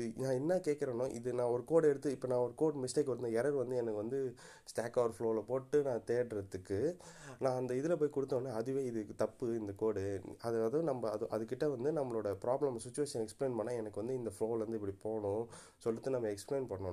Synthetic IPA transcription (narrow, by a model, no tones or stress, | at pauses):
nãːɛnːaːkeːkːɪɾɐnʊ̃ʔɪ̰ðɯnãːɔɾɯkoːɽɛɽɯt̪ːɯɪpːɐnãːɔɾɯkoːʈmɪsʈeːkʋɐɾɯt̪d̪ɐɛɾɐɾʋɐnd̪ɯɛnɐkːɯʋɐnd̪ɯ | sʈaːkːaːʋɐɾfɭoːlɐpoːʈːɯnãːt̪eːɽɾɐðɯkːɯnãːɐnd̪ɐɪðɪlɐpoːjkʊɽɯt̪ːɐñːnːaːɐðɯʋeːɪðɯt̪ɐpːɯɪnd̪ɐkoːɽɯɐðɐðɐ̃nɐmːɐːðɯʔɐðɯkːɪʈːɐʋɐnd̪ɯnɐmːɐɭoːɽɐpɾaːblɐmsɪt͡ʃːʊʋeːʂɐ̃ɛkspleːnpɐnːaːɛnɐkːɯʋɐnd̪ɯɪnd̪ɐfɭoːlʋɐnd̪ɯɪpːɐɽipoːɳʊ̃ | sɔlːɪt̪ːɯnɐmːɐɛkspleːnpɐɳɐːõ